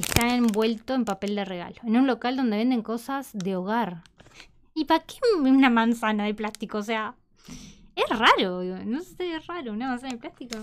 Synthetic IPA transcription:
est̪aembwe̞lt̪oempape̞ld̪e̞reɣ̞a̰lo̞enunlo̞kald̪o̞nd̪ee̞nd̪e̞ŋko̞saz̥ðe̞oɣ̞aɾ | ipakeeunamãnsanaðe̞plast̪ikoːs̬ea | esraɾoonoseseesraɾounamansanaðeplast̪iko

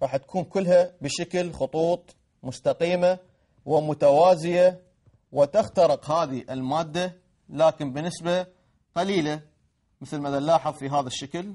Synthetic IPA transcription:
ɾˤɑːħt̪kʰuːnkʊlːhabɪʃaklxʊt̪ˤuːt̪ˤ | mʊst̪aqiːma | wɪmʊt̪awaːzɪja | wɪt̪axt̪ɑɾɨqhaːðiʔɪlmaːd̪ːa | laːkɪnbɪnːɪsba | qaliːla | mɪθlmaðalːaːħɨðˤfiɦaːðaʃːakl

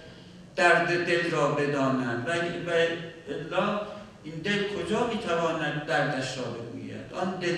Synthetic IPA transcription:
d̪̥æɾd̪ed̪elɾɒːbe̞d̪ɒːnæd̪vævæelːɒː | ʔind̪elkʰod͡ʒɒːmiːt̪ʰævɒːnæd̪̚ːæɾd̪æʃɾɒːbe̞ɡṵːjæ̰d̪ʔɒnd̪el

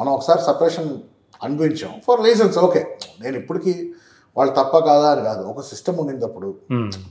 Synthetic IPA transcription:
mɐnɐmɔkɐ̥saːɾisɐpɾɛːʂɐn | ɐnubuiɲt͡ʃɐ̰̃mpʰɐɾɾiːd͡ʒɐnso̞ːkeːne̞ːnuipːuɽikiː | ʋaːɭːut̪ɐpːɐkaːd̪aːɐniɡaːd̪uɔkɐsisʈɐmunɖ̪ind̪ɐpːuɽu

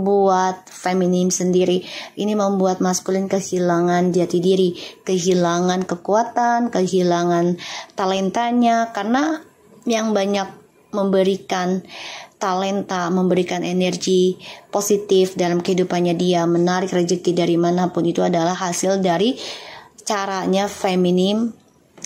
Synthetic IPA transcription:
buat̪̚feminɪmsəndiɾiʔiniməmbuat̪̚maskulɪnkəhilaŋand͡ʒadidiɾikəɦilaŋankəkuat̪ankəɦilaŋant̪alɛnt̪aɲakarəna | jaŋbaɲak̚ | məmbəɾikant̪alɛnt̪aməmbəɾikanʔenɛrɡiposit̪ɪfdalamkəhidupanɲadiamənaɾɪkrɛd͡ʒək̚t̪idaɾimanapʊnit̪uadalahːasɪldaɾi | t͡ʃaɾaɲafeminɪm

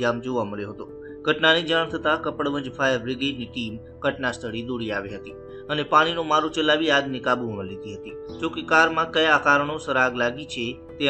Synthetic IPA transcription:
amd͡ʒoʋaməɭjoɦət̪o | ɡ̥ʱəʈnanid͡ʒaɳ̃t̪ʰət̪akəpəɽʋə̃nd͡ʒfʰajəɾbɾiɡed͡ʒniʈim | ɡ̥ʱəʈnast̪ʰəɽid̪oɽiaʋeɦət̪i | ənepaɽ̃inomaɾũt͡ʃəlaʋiaɡ̪nikabuʋə̃lid̪iɦət̪i | d͡ʒokekaɾmãkəjakaɾəɳ̃osəɾaɡlaɡit͡ʃʰe | t̪e

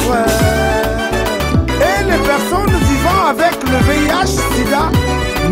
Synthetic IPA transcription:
elepɛʁsɔnvivõavɛkləveiaʃ | sid̪a

